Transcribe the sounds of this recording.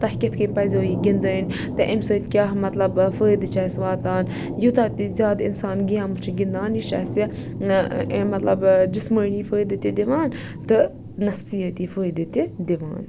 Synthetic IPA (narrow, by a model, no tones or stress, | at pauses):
t̪ɐhkʲɐt̪ʰkəpɐzʲoːjiɡʲind̪ən | t̪ɨʔemsəːt̪kʲaːɦmɐt̪lɐbfəːjd̪ɨt͡ʃɐːsʋaːt̪aːn | jut̪at̪izʲaːd̪ḭnsaːnɡijãːmɨt͡ʃʰiɡʲind̪aːniʃaːsi | mɐt̪lɐ̰bd͡ʒisməːniːfəːd̪ɨt̪id̪iʋaːn | t̪ɨ | nɐfsijɐt̪iːfəːjd̪ɨt̪id̪iʋa̰ːn